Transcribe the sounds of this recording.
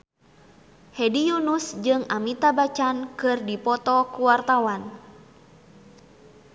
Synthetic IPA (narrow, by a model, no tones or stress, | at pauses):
hɛdijunusd͡ʒɨŋamit̪abat͡ʃankɨrdipɔt̪ɔkuwart̪awan